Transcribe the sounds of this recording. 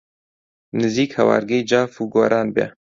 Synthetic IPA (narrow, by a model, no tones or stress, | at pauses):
nɨziːkhɛwɑ̰ːɾɡejd͡ʒɑːfuːɡoːɾaːnbɛ̰